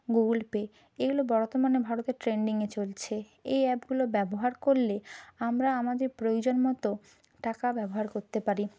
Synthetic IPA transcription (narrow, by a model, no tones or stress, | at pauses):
ɡolpe | eɡulobɔɾt̪ːomanebʱaɾot̪eɾʈɾeɳɖiŋet͡ɕolt͡ɕʰe | ejɛpɡulobɛboɦaɾkoɾleamɾaamad̪eɾpɾojod͡ʑonmɔt̪o | ʈakabɛboɦaɾkoɾt̪epaɾi